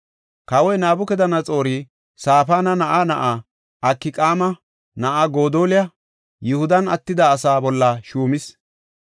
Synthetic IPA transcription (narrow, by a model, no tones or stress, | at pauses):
kɐwɔjnaːbʊkɛd̪ɐnɐt͡sʼo̞ːɾi | saːfaːnɐnɐʔanɐʔa | ɐkːɪkʼaːmɐ | nɐʔaɡoːd̪oːlɪjɐ | jʊhʊd̪ɐnɐ̰t̪ːɪd̪aːsaːbɔlːɐʃuːmɪs